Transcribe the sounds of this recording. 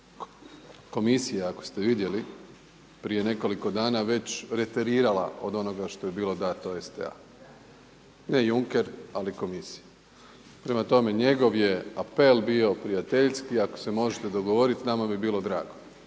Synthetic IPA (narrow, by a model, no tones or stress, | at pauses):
ko̞misijaakost̪e̞ʋid̪je̞li | pɾije̞ne̞ko̞liko̞d̪aːnaʋe̞t͡ɕɾe̞t̪eɾiːɾala̰o̞d̪o̞no̞ɡaʃt̪o̞jebiːlo̞d̪at̪oesd̪ḛa̰ | ne̞juŋke̞ɾaliko̞misi̥ja | pɾe̞mat̪o̞me̞ɲe̞ɡo̞ʋje̞ape̞lbio̞pɾijat̪eʎskiako̥se̞mo̞ʒet̪ed̪o̞ɡoʋo̞ɾit̪namabibiːlˠo̞d̪ɾa̰ːɡo